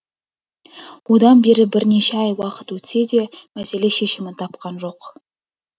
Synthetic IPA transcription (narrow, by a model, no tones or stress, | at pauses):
wo̞d̪ɑnbe̞ɾɪbɪɾne̞ʃeɑjwɑqə̥t̪wɵt̪se̞d̪e̞mæse̞le̞ʃe̞ʃɪmɪnt̪ʰɑp̚qɑnʒo̞q